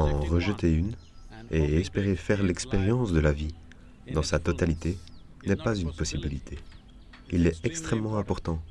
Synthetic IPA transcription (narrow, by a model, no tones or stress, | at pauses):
ɑ̃ʁəʒət̪eyn | eɛspeʁefɛʁlɛkspeʁjɑ̃sd̪əlavi | d̪ɑ̃sat̪ɔt̪alit̪e | nɛpazynpɔsibilit̪ʰe | ilɛɛkst̪χɛmːɑ̃ɛ̃pɔʁt̪ɑ̃